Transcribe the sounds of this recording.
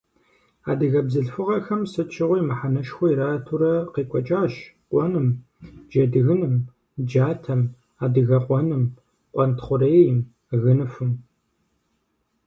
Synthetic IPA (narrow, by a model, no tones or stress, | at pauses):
a̰ːdɨɣɐbzɨɬfɨʁɐxɐmsɨt͡ʃʰɪʁʷʊjmɨħanɐʃxʷʊiɾaːtʰuɾɐqeːkʷʼɔt͡ʃʼaːʃqʷʼɔnɨm | d͡ʒɐdɨɣɨnɨm | d͡ʒaːtʰɐm | aːdɨɣɐqʷɔnɨm | qʷʼɔntʰχʷʊreːjɪm | ɣɨnɨfɨm